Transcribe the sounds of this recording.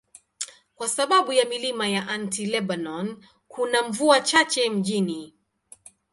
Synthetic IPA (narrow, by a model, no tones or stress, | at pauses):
kwasaɓaɓujamilimajaʔantilɛɓanɔn | kunamvuat͡ʃat͡ʃɛm̩ʄini